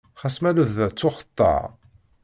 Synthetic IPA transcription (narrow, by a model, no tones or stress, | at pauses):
χæsmæləðət͡sːʊχə̥t̪ˤːɑ̰ʕ